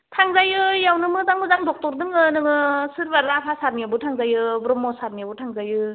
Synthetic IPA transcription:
tʰaŋzajɯjawnɯmɯzaŋmɯzaŋdɔk̚tɔɾdɯŋɯnɯŋɯsɯɾbaɾapʰasaɾniabɯtʰaŋzajɯbɾɔmːɔsaɾ̚mijabɯtʰaŋzajɯ

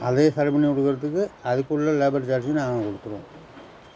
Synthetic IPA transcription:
ɐðeːsɐɾɐbɐɳiɔɽɯɣɯɾɐt̪ːɯkːɯɐðɯkːɯɭːɐleːbɐɾd͡ʒaːɾsinaːŋɡɐkɔɽɯt̪ːɯɾõ̰ː

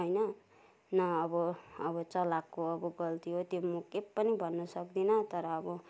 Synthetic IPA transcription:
ɦʌjnʌ | nʌːbʌʌβʌt͡sʌlakːoʌbʌɡʌlt̪iɦot̪jomukepːʌnibʱʌnːʌsʌk̚d̪inʌt̪ʌɾʌːbʌ

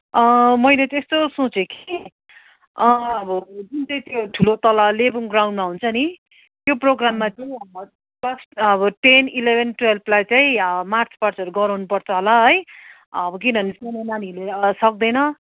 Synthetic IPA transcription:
ʌmʌjlet̪est̪osot͡sekʰi | ʌʌbʌd͡zunt͡saĩt̪joʈʰulot̪ʌlalebiŋɡraw̃ɳɖmaɦunt͡sʰʌni | t̪joproɡramːat͡saĩʌbʌ | pʌt͡sʰʌbʌʈenilebʱenʈwelpʰlajt͡saĩʌmart͡sʰpart͡sʌɾuɡʌɾʌnupʌrt͡sʰʌɦolaɦʌj | ʌbʌk̬inʌnisenenanilesʌk̚d̪ʌjnʌ

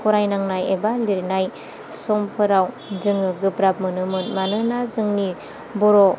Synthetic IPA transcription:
kʰuɾajnaŋnajebaliɾnaj | sɔmpʰɯɾaw | zɯŋɯɡɯpɾap̚mɯnɯmɯnmanɯnazɯŋni | bɔɾo

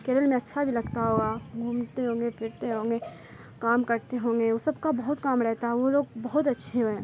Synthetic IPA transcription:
keːɾəlmẽɐtːʃʰabʱilɐɡt̪aɦoːɡaɡʱuːmt̪eɦõːŋɡefʰɪɾt̪eɦõːŋɡe | kaːmkɐɾt̪eɦõːŋɡeosɐbkabɐɦʊt̪kaːmɾɛɦt̪aɦɛʋoloːɡ̚bɐɦʊt̪ɐtːʃʰeɦoɛ̃ː

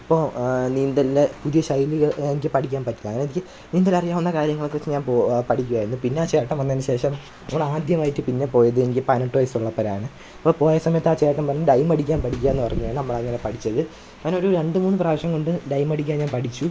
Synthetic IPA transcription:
i̥pːoːniːnd̪ɐllepuðijɐɕɐjilɐenikʲːɨpɐʈʰikʲːaːnpɐʈːilːɐŋːɐnenikʲːɨ | niːnd̪ɐlɐrijaːmunːɐkaːɾjɐŋːɐɭkːot͡ɕːiɲaːnpoːpɐʈʰikʲːuɣaːjiɾunːupinːeaːt͡ɕe̞ːʈːɐmʋɐnːɐnɨɕe̞ːʂɐm | nɐmːɐɭaːd̪ʱjɐmaːjitːɨpinːe̞po̞ːjɐðɨenikʲːɨpɐnɐʈːoɐjsuɭːɐpːɐɾa̰ːɳɨ | pːoːpo̞ːjɐsɐmɐjɐt̪ːaːt͡ɕe̞ːʈːɐmpɐnɐːɖɐjmɐɽikʲːaːnpɐʈʰik̬ʲːaːenːɨpɐrɐɲːujaːɳɨnɐmːɐɭɐŋːɐne̞pɐʈʰit͡ɕːɐðɨ | ɐnoɾuɾeɳɖɨmuːnːɨpraːʋɐʂɐŋko̞ɳɖɨɖɐjmɐɽikʲːaːnɲaːnpɐʈʰit͡ɕːu

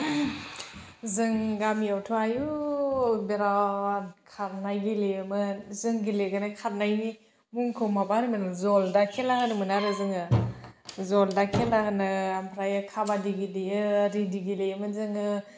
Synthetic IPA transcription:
zɯŋɡamiawtʰuaju | beɾawakʰaɾnajɡilemɯzɯŋɡileɡɯnakʰaɾnajni | muŋkʰɯwmabanimanɯŋzɔldakʰelahɯnɯmɯnaɾɯzɯŋɯ | zɔldakʰelahɯnɯampʰɾajɯkʰabadiɡileɯːɾidiɡilejmɯzɯŋɯ

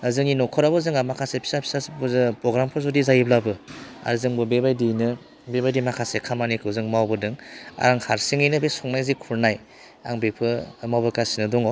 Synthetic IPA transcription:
azɯŋinɔkʰɔɾabɯzɯŋamakʰasepʰi̥sapʰi̥sasbzpɾɔɡɾampʰɔzɔdizajiblabɯa̰ɾzɯŋbɯbebajdinɯ | bebajdimakʰasekʰamanikʰɯwzɯŋmawbɯdɯŋa̰ɾaŋhaɾsiŋijnɯbesɔŋnajzikʰuɾnaj | a̰ŋbepʰɯmawbɯkasinɯdɔŋɔ

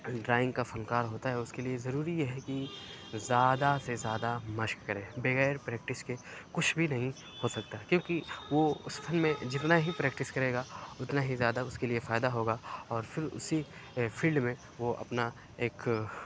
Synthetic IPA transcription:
ɖɾaːɪ̃ŋɡkafɐnkaːɾɦoːt̪aɦɛʊskeliezɐɾuːɾijeɦɛkizjaːd̪asezjaːd̪amɐʃkkɐɾẽːbeɣɛːɾpɾɛːk̚ʈɪskekʊt͡ʃʰbʱinɐɦĩ | hoːsɐk̚t̪aɦɛkjõːkiʋoʊst̪ʰɐnmẽd͡ʒɪt̪naɦipɾɛːkʈɪskɐɾeːɡaʊt̪naɦizjaːd̪aʊskeliefaːɪd̪aɦoːɡaːɔːɾfʰɪɾʊ̰sifʰiːlɖmẽ | ʋoɐ̰pna | eːk

